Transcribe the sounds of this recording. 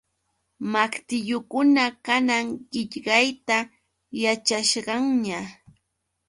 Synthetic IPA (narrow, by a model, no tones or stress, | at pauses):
makt̪ɪʎʊkʊnakanaŋɢɪʎɢɑjt̪a | jat͡ʃaʃɢɑŋɲa